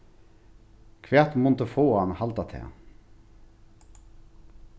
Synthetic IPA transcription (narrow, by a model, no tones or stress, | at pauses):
kʰvɛːt̪mʊnt̪əfoːanhalt̪at̪ʰɛ̰ː